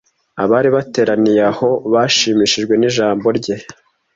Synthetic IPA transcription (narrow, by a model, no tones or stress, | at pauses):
aβaːɾiβate̞ːɾanijaho̞βaːʃiːmiʃiʒɡwe̞niʒaːmbo̞ɾɟe̞